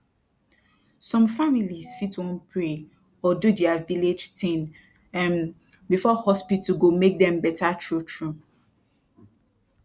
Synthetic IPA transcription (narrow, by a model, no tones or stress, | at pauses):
sɔ̃mfamilisfitwɔ̃npʰɹe | ɔdudɛaviled͡ʒtʰĩn | ãn | bifɔhɔspitɡomek̚dɛ̃mbɛtatɹutɹu